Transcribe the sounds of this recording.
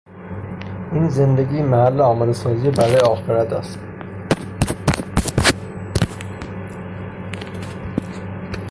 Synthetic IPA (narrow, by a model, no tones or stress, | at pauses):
ʔiːnzend̪eɡiːmæhælːeɒːmed̪esɒːzijebæɾɒːjeɒːxeɾæt̪ʰæ̰st̪